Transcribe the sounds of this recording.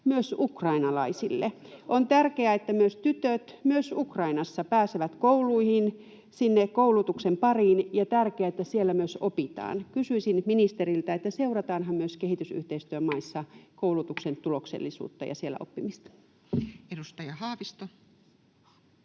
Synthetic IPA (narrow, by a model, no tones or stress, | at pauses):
myøsukrɑinɑlɑisilːḛʔont̪ærkeæet̪ːæmyøst̪yt̪øt̪myøsukrɑinɑsːɑpæːseʋæt̪koulˑuihin | sinːekkoulut̪uksempɑriːnjɑt̪ærkeæet̪ːæsielːæmyøsopit̪ɑ̰ːnkysyisinminist̪erilt̪æet̪ːæseurɑt̪ɑːnɦɑmmyøskehit̪ysy̰ht̪eist̪yømɑisːɑkoulut̪uksent̪uloksḛlːisṵːt̪ːɑ̰jɑ̰sielːæ̰ʔo̰pːimist̪ɑ̥ | edust̪ɑjɑhɑːʋist̪o